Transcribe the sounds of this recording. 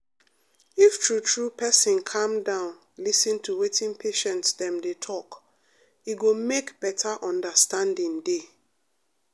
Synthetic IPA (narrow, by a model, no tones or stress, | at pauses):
iftʰɹutʰɹupʰɛsĩnkʰãmdãʊ̃n | lisĩntʰuwetʰĩnŋpʰeʃɛ̃ntsdɛ̃mdetʰɔk | iɡomekb̥ɛtʰaʔɔ̃ndəstãndĩnde